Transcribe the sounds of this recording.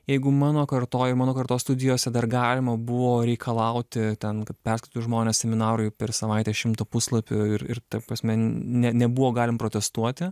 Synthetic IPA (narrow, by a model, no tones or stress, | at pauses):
jɛɪɡʊmɑːnoːkɐrt̪oːɪrmɑːnoːkɐrt̪oːst̪ʊd̪ʲɪjoːsʲɛd̪ɐrɡɑːlʲɪmɐbʊʋoːɾʲɛɪkʰɐlˠɐʊt̪ʲɪt̪ʲɛnkɐt̪̚pʲɛrʲsʲkʲɪt̪ʊjʒmoːnʲɛːsʲsʲɛmʲɪnɑːɾʊɪpʲɛrsɐʋɐɪt̪ʲɛʃʲɪmt̪ɐpʊslˠɐpʲʊɪrɪrt̪ɐpɾɐsʲmʲɛnʲɛnʲɛbʊʋoːɡɑːlʲɪmpɾoːt̪ʲɛst̪uɔt̪ʲɪ